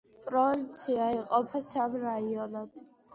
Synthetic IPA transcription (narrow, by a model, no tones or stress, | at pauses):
pʼɾɔvint̪sʰiaiqʼɔpʰasamɾaiɔnad̪̥